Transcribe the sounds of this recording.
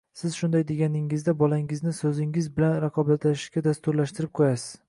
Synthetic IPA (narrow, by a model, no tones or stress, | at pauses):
sɪz̥ʃʊnd̪ajd̪e̞ɡʲanɪŋɪzd̪abɒlaŋɪznɪsɵzɪŋɪzbɪlanɾɑqʰɒbat̪laʃɪ̥ʃkʲad̪ast̪ʊɾlaʃt̪ɪɾɪp̚qʰojasɪ̥z̥